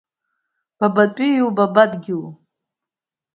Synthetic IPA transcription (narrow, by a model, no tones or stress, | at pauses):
b̥abatʷʼijubabadɡʲiw